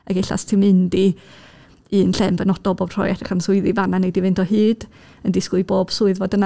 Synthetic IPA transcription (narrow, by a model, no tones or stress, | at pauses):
aɡɪɬa̰stʰɪmɨndi | ɨːnɬɛmvənɔd̥ɔbobr̥ɔ̰jɛd̥rəχamsʊɨðivananɛdivɨntʰɔɦɨːd̥ | əndɪskʊɨboːb̥sʊɨðvɔdəna